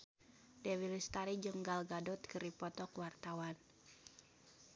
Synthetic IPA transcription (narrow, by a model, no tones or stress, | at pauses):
dɛwilist̪aɾid͡ʒəŋɡalɡadɔt̪kɨɾipɔt̪ɔkwart̪awan